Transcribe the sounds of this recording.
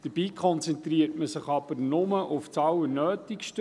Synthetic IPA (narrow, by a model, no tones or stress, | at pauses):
d̥əɾb̥iːkʰχɔnt͡sɛnt̪riəɾtməsɪχɑb̥əɾnʊməʔʊft͡sɑwənøːtɪkʃtə